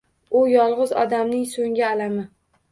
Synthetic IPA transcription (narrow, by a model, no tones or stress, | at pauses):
ʊjɒlˠʁɨzɒ̰d̪amnɪŋsoŋɡʲaːlamɪ